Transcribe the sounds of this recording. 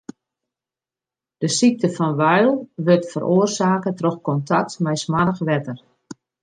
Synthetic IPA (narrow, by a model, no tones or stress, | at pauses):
d̥əsik̚tʰəfɔnʋœɥlˠʋøtfəɾʔoːərsaːkətrɔxkɔntʰak̚tmɛjsmadəxʋɛtər